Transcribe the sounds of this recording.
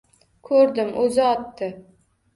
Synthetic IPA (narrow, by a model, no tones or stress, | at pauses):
kʰɵɾd̪ɪmʔɵzɪɒt̪ːɪ